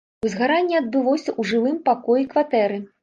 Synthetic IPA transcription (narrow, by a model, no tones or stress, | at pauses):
uzɣaɾanʲːɛɐd̪̚bɨvˠɔwsʲɐʔuʐɨvɨmpakɔjikvat̪ɛɾɨ